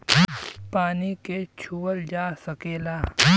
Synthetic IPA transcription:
paːniket͡ʃʰuːwəld͡ʒaːsɐkeːlaː

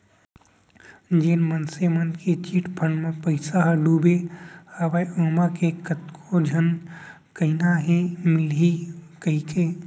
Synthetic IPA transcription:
d͡ʒeːnmənsemənd̪ket͡ʃiʈpʰəɳmẽpəɪsaɦɖuːbehaːʋajʔoːmakekət̪kʰod͡ʒʱən | kəinaɦẽmɪlɦikəikeː

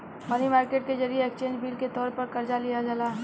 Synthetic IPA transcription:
mɐnimaːɾkeːʈkezɐɾieekt͡ʃẽːnd͡ʒbiːlket̪ɔːɾpɐɾkɐɾd͡ʒalijad͡ʒalaɦɛ

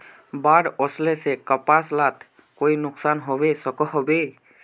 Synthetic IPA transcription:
baɽɔslesekəpaslat̪ | koinʊksanɦɔbesɔkɔɦɔbe

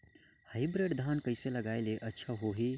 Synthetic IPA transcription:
haɪbɾeɖd̪ʱaːnkəɪseləɡaeleʔətːʃʰaɦoɦi

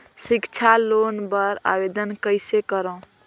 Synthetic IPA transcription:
sikt͡ʃʰalonbəɾa̰bed̪ənkəjsekəɾə̃

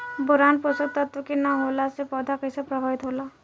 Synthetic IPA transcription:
bʊɾanposot̪ːɔt̪wokinaɦolasepɔd̪ʱakəjsepɾəbʱaʋit̪ɦoːla

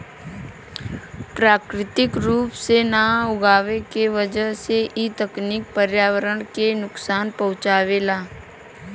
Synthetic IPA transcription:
pɾaːkɾɪt̪ɪkɾuːpsenaʊɡaːʋekeʋəd͡ʒəɦseʔit̪əknɪk̚pəɾjaːʋəɾəɳ̃kenʊksaːnpɐʊ̃t͡ʃaːʋeːlaː

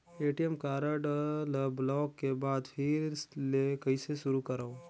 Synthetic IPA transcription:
eːʈijɛmkaːɾəɖələblɔːkːebaːd̪pʰiɾslekəiseʃʊɾukɐɾaõ

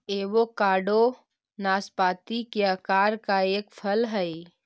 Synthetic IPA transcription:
eːʋokaːɖo | naːspaːt̪ikeəkaːɾkaeːkpʰəlɦəi

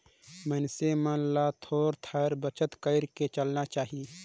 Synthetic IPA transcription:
mənsemənlat̪ʰoːɾt̪ʰəɾbət͡ʃət̪kəɪɾket͡ʃəlnat͡ʃaːɦiː

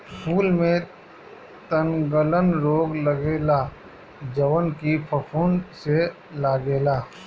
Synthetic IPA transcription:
pʰuːlmẽ | t̪ənɡələnɾoːɡləɡeːla | d͡ʒəʋənkipʰəpʰuːnse | laːɡeːlaː

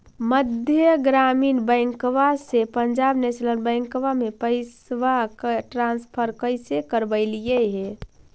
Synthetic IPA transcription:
məd̪ʱjəɡɾamiːnbəjŋkʋasepəɲd͡ʒabnesləlbə̃ɪŋkʋamepəɪsʋakʈɾãnspʰəɾkəɪsekəɾbəɪlijeɦe

